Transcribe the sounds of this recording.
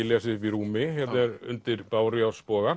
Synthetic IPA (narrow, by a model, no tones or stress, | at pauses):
ɪlɛsɪfiɾuːmɪhɛt̪ɛɾʏ̰nt̪ɪɾpaːwɾijawspɔːɣa